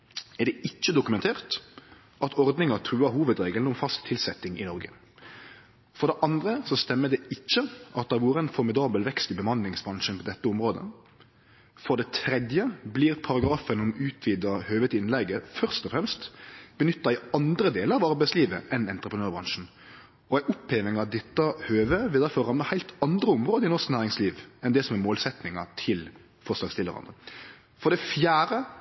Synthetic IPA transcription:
ɛʁɖ̪ɛʔɪt͡ʃːəd̪ʊkʉmɛnt̪ʰeːʁt̪ | ʔɑt̪ʰɔʁd̪nɪŋɑt̪ʰɾʉːɑɦuːʋəd̪ɾeːɡln̩ɔmfɑskt̪ʰɪlsɛt̪ːɪŋɪnɔɾɡə̰ | fɔʁd̪ɛʔɑnd̪ɾəsɔst̪ɛmːəd̪ɛɪt͡ʃːəʔɑt̪̚d̪ɛʋuːɾəɛɪnfɔɾmɪd̪ɑːbəlʋɛkst̪ɪbəmɑnlɪŋsbɾɑŋʂənpʰɔd̪ɛt̪ːəɔmʁoːd̪ə̰ | fɔd̪ɛt̪ʰɾɛd̪jəbliːʁpʰɑʁɑɡɾɑːfənɔmʉːt̪ʰʋiːd̪ɑhøːʋət̪ɪnlɛɡːəfœʁst̪ɔfɾɛmst̪b̥ənʏt̪ːɑɪɑnd̪ɾəd̪eːləɾɑʋɑɾbæɪsliːʋə̰ʔɛnɛnt̪ɾəpʰənøːɾbɾɑŋʂn̩ | ɔæɪʔʊpʰːeːʋɪŋɑt̪̚d̪ɛt̪ːɑhøːʋəʋɪld̪æɾfɔɾːɑmlɑhæɪlt̪ɑnd̪ɾəʊmʁoːd̪əɪnɔʁsknæːɾɪŋsliːʋɛnd̪ɛsɔmɛmoːlsɛt̪nɪŋɑt̪ʰɪl | fɔʂlɑːɡst̪ɪlːəʁɑ̰nd̪ə | fɔd̪ɛfjæːɾə

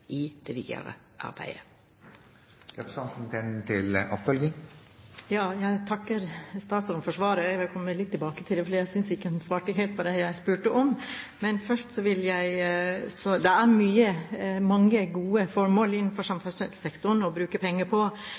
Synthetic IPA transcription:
ʔɪd̪̥ɛʋḭːjə̰ʁə̰ | ʔɑ̰ɾbæ̰ɪə | ɾɛpɾsɑnt̪n̩t̪ʰɛnt̪ʰɪlʔɔpfœlɡɪŋ | jɑːjæɪt̪ʰɑkːəɾst̪ɑːt̪sɔɾnfɔʂʋɑːɾəjæɪʋɪlkʰɔmːəlɪt̪ʰːɪlbɑːkət̪ʰɪlɛfɔɖɪjæɪsʏnsɪkːəsʋɑːʈəɦɛɪlt̪pʰɔd̪ɛjæɪspʉːʈəʔɔmmɛnfœʂʈsɔʋɪljæɪsɔd̪ɛæɾmyːəmɑŋːəɡuːəfɔɾmoːlɪnːn̩fɔɾʂɑmfʉnsɛlsɛkt̪ʊɳɔbɾʉːkəpʰɛŋːəpʰɔ

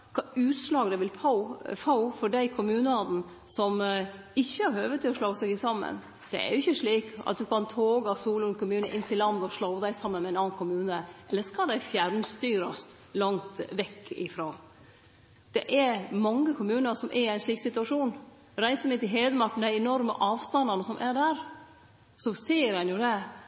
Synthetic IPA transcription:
kʰɑʉːt̪slɑːɡd̪ɛʋɪlpʰɑʊfɑʊfɔɖæɪkʰʊmʉːnəɑd̪n̩ | sɔm | ɪçːəɑɾhøːʋət̪ʰɪɔʂlɑːɡəsɛɡɪsɑmːə̰n | d̪̥ɛ̰ɛ̰ɾjʊɪçəʂɭiːkɑ̰t̪̚d̪ʉkʰɑnt̪ʰoːɡɑsuːlʊnkʰʊmʉːnəʔɪnːt̪ɪlːɑnd̪ɔʂɭɑːd̪æɪsɑmːənmɛæɪnɑːnkʰʊmʉːnəʔɛlːəskɑld̪æɪfjæɾnst̪yːɾɑst̪ | lɑŋt̪ʋɛkːɪ̰fɾoː | d̪̥ɛʔɛɾmɑŋːəkʰʊmʉːnəɾsɔmʔɛɾɪæɪnʂɭiːksɪt̪ʉɑʂuːn | ɾæɪsəmɛt̪ɪɦeːd̪əmɑk̚t̪n̩d̪æɪɛnɔɾmə̰ʔɑːʋst̪ɑnd̪ɑnəsɔmʔæɖæɾ | sɔseːəɾhɛnjʊd̪ɛ

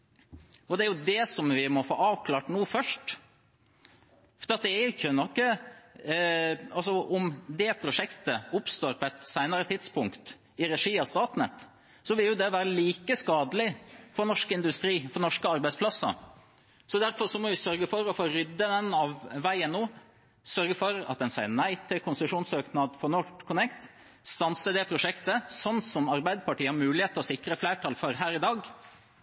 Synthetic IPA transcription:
ɔd̪ɛæɾjʊd̪ɛsɔmʋɪmɔfo̰ːɑːʋkʰlɑːʈnuːfœʂʈ | fɔɾɑt̪̚d̪ɛæɾɪçːənɔkːə | ɑlsɔʔɔmd̪ɛpʰɾʊʂɛkt̪əʊpst̪oːɾpʰɔɛt̪sæɪnəɾət̪ʰɪd̪spʊŋkt̪ | ɪɾɛʂiːɑst̪ɑːt̪nə̰t̪ | sɔʋɪljʊd̪ɛʋæːɾəliːkəskɑːd̪əlɪfɔɾnɔʂkɪnd̪ʉst̪ɾiːfɔɾnɔʂkəɑɾbæɪspʰlɑsːɑ̰ | sɔd̪æɾfɔɾʂɔmɔʋɪsœɾɡəfɔɾɔfoːɾʏd̪ːəd̪ɛnɑʋːæɪənːoː | sœɾɡəfɔɾɑ̰t̪̚d̪ɛnsæɪnæɪt̪ʰɪlkʰʊnsəʂuːnsøːknɑd̪fɔnɔkʰʊnɛkt̪ | st̪ɑnsəd̪ɛpʰɾʊʂɛkt̪əsɔnːsɔmɑɾbæɪd̪əpɑʈiːəhɑɾmʉːlɪheːt̪ɔsɪkɾəflæːʈʰɑːlfɔɾɦæːɾɪd̪ɑːɡ

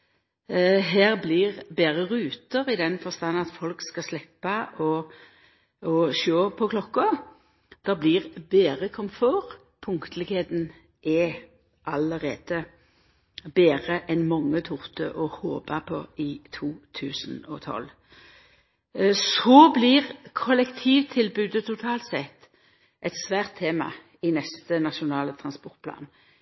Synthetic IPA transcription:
ɦæːʁblɪʁbeːʁəʁʉːt̪əʁɪd̪ɛnfɔʁst̪ɑnːɑt̪fɔlkskɑslɛpːɑʔɔ | ɔʃoːpʰɔkʰlɔkːɔ | d̪̥ɛblɪʁbeːʁəkʰɔmfoːʁ | pʰʊŋkt̪ʰəlɪɡheːd̪n̩ | ʔɛ | ʔɑləʁeːd̪̥ə | beːʁəʔɛnmɔŋːət̪ʰʊʁt̪əʔɔhoːbɑpʰɔɪt̪ʰuːt̪ʰʉːsənɔt̪ʰɔ̰l | soːblɪʁkʰɔlɛkt̪ʰiːʋt̪ʰɪlbʉːd̪ət̪ʰʊt̪ʰɑːlt̪sɛt̪ː | ʔɛt̪sʋæːʁt̪ʰːeːmɑ̰ | ɪnɛst̪ənɑʃʊnɑːlət̪ʰʁɑnspɔʁt̪̚pʰlɑ̰ːn

